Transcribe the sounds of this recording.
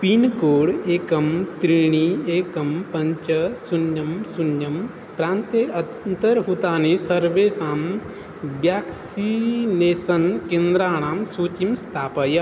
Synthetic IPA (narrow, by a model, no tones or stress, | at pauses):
pinkoːɽeːkɐmt̪ɾiɳ̃ieːkɐmpɐɲt͡ʃɐsunjɐmsunjɐm | pɾãːnt̪eɐ | nt̪ɐɾɦut̪aːnesɐɾʋeːsaːm | ʋjaːksineːsɐnkẽːnd̪ɾaːɳ̃aːmsuːt͡ʃimst̪ʰaːpɐjɐ